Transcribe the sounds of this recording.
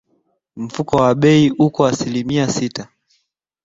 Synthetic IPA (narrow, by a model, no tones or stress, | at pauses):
m̩fukɔwaɓɛiʔukɔasilimiasita